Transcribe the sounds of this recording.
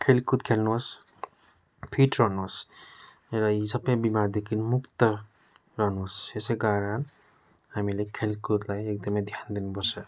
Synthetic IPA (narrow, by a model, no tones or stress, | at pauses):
kʰelkut̪̚kʰelnuas | pʰiʈɾɔnus | eɾaisapebimaɾd̪ekʰinmukt̪ɔ | ɾɔnusesekaɾan | hamilekʰelkut̪lajek̚d̪ʌmed̪ʱjand̪inbɔsa